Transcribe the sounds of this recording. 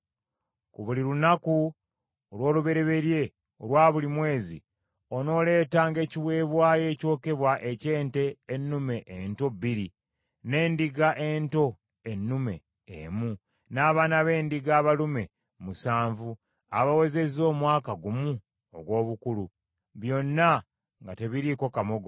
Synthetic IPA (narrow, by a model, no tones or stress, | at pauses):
kuβuliɾunaku | olwo̞ːluβe̞ɾe̞βe̞ɾje̞ | olwaːβulimwe̞ːzḭ | o̞no̞ːle̞ːtaːŋɡe̞ːciβwe̞ːβwaːje̞ːco̞ːkeβwaʔe̞ce̞ːnte̞ːnːume̞ʔento̞biɾi | ne̞ːndiɡaʔe̞ːnto̞ | enːume̞̰ | ḛmu | naːβaːnaβe̞ːndiɡaːβalume̞ | musaːɱvu | a̰βawe̞ze̞zo̞ːmwaːkaɡumu | oɡwo̞ːβukulu | βjo̞nːa | ŋɡate̞βiɾiko̞kamo̞ɡo